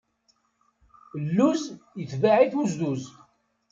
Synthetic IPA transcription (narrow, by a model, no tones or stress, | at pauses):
lːuzjət͡sːvaʕiθuzðuz